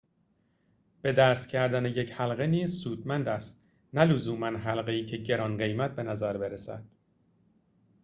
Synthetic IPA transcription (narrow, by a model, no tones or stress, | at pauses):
b̥e̞d̪æːst̪cʰæɾd̪ænejechælɢe̞niːzsuːd̪̥mænd̪æst̪̚ | nælozuːmænɦælɢeiːcʰe̞ɟe̞ɾɒːnɢe̞jmæt̪̚be̞næzæɾbeɾesæ̰d̪̥̚